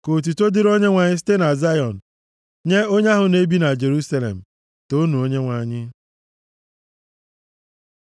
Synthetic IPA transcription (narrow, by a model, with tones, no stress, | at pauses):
ko˨t̬u˨to˦dɪ˦ɾo˦ɲe˦ŋʷa˨ɲɪ˦s̬i̥˦te˦na˨za˦jɔ˨n̩˨ | ɲe˦o˦ɲa˦ɦʊ˨ne˦bi˦na˨d͡ʒe˨ɾu˦sa˦lḛ˨m̩˨ | to˦nu˨o˦ɲe˦ŋʷa˨ɲɪ˦